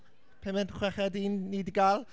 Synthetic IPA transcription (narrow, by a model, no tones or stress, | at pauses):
pʰɛmɛnχwɛχɛdiːnːidɡalˠ